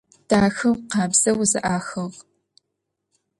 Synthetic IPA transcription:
d̥aːxɐwqɑːbz̥ɐwzɨ̰ʔaːxɐʁ

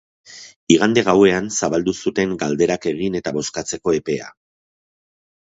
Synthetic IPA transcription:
iɣand̪e̞ɣ̞awe̞ansaβald̪usut̪e̞ŋɡald̪e̞ɾake̞ɣ̞ine̞t̪aβo̞skat͡se̞ko̞e̞pe̞a̰

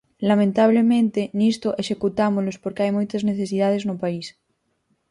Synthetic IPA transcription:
lamẽnt̪aβ̞lemẽnt̪enist̪oʔeʃekut̪amolospoɾkeajmojt̪azneθes̬ið̞að̞eznopais

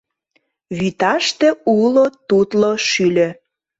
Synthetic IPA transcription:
βyt̪ɑʃt̪ĕulot̪ut̪loʃylʲø̆

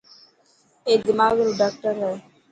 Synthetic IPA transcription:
eːd̪əmaːɡɾuɖaːkʈəɾɦɛː

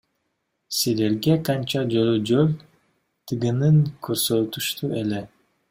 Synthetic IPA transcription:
sile̞ɾɡeqɑnt͡ʃɑd͡ʒolyd͡ʒølʲ | t̪ʰɯɡɯnɯŋkʰøɾsølt̪uʃt̪uele

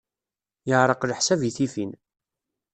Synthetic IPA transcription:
jəʕɾˤəqləħsæviθifin

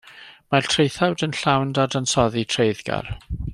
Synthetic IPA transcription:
maltʰrejθawdənɬawndadansɔðitʰrejðɡ̥a̰r

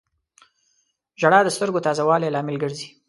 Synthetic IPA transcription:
ʒaɽɑd̪əst̪əɾɡot̪ɑzawɑlelɑmɪlɡəɽzi

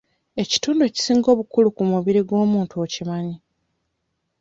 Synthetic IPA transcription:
e̞ci̥tuːndueci̥siːŋɡo̞ːβukulukumuβiɾiɡo̞ːmuːntuocimaɲi

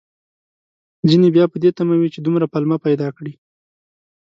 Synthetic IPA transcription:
zinebjɑpəd̪et̪amawit͡ʃed̪umɾapalmapajd̪ɑkɽi

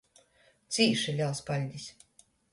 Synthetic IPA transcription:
t̪sʲiːʃɛlʲalˠspalʲd̪ʲis

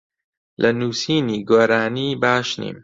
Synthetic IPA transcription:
lʔɐnuːsiːniːɡoːɾaːniːbaːʃnḭːm

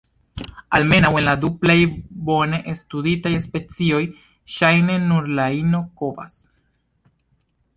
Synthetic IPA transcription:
alme̞nawe̞nladuplajbo̞ne̞ʔestuditajspe̞t͡sio̞j | ʃajne̞nuɾlaino̞ko̞va̰s

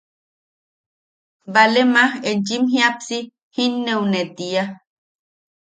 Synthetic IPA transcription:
balemahent͡ʃimɦjapsi | hinːeunet̪ia

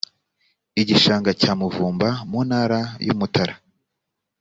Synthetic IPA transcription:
iɟiʃaːŋɡacaːmuvuːmbamuːnhaːɾajṵmutaɾa

